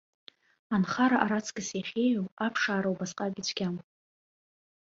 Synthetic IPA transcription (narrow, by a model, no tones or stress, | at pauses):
anχaɾaʔaɾat͡sʰkʼaseχʲejɥowapʰʂaːɾawbasqʼaɡʲit͡ʃʷʰɡʲam